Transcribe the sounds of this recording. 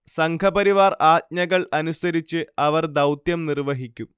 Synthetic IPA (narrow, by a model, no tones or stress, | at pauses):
sɐŋkʰɐbɐɾiʋaːraːt̪̚ɲɐɣɐɭɐnusɐɾit͡ɕːɨɐʋɐrd̪ɐwt̪jɐmnirʋɐɦikʲːu